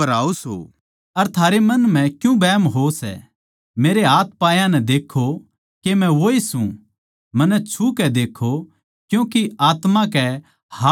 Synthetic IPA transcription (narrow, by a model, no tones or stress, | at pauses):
ɐɾaːoso̰ː | ɐɾt̪ʰaːɾemɐnm̤ɛ̃kjũbɛːmɦosɛ̰ | meːɾeɦaːt̪̚ʰpaːjãnɛd̪eːkʰo | kemɛ̃ʋoisṵ̃ | mɐnːɛt͡ʃʰukɛd̪eːkʰːo | kjũːkiaːt̪mãkɛ | ha